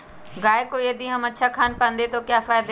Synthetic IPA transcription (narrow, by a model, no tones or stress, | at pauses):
ɡaːjekojɐd̪ʱiɦɐmɐtːʃʰakʰaːnpãnd̪et̪okjaːfaːjɪd̪